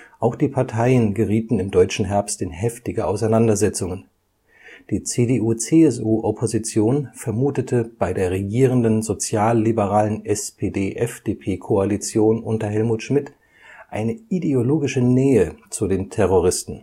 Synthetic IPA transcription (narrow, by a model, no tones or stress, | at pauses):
ʔaʊxd̥iːpʰaɐtʰaɪənɡəʁiːtn̩ɪmdɔʏt͡ʃn̩ɦɛɐpstɪnhɛftɪɡəʔaʊsaɪnandɐzɛt͡sʊŋən | d̥iːt͡seːdeʔuːt͡seɛs̬ʔuːʔɔpʰozit͡sjoːnfɛɐmuːtətʰəb̥aɪdeːɐʁeɡiːʁ̞əndənzot͡sjaːlːibəʁaːlənʔɛspʰedeːʔɛfd̥eːpʰeːkʰoalit͡sjoːnʔʊntɐɦɛlmuːtʃmɪt | ʔaɪnəideoloːɡɪʃənɛːət͡sudeːntʰɛʁ̞oʁɪstn̩